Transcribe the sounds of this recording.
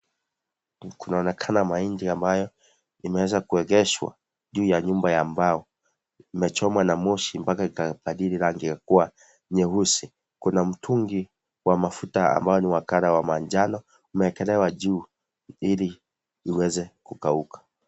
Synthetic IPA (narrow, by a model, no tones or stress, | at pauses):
kunaɔnɛkʰanamaindiambajɔ | imɛwɛzakuɛɡɛʃwa̰ | ʄuːjaɲumbajaːmbaɔ | imɛt͡ʃɔmwanamɔʃimpakaikapaɗiɾiɾaŋɡiakuwa | ɲɛɦusi | kunam̩tʰuŋɡi | wamafutaa̰mbajɔniwakaɾawamaɲd͡ʒanɔ | umɛɛkɛlɛwaʄuː | iliː | wɛzɛkukaukḁ